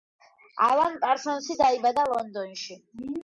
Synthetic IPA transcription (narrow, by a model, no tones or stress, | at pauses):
a̰lankʼaɾsɔnsid̪aibad̪alˠɔnd̪ɔnʃi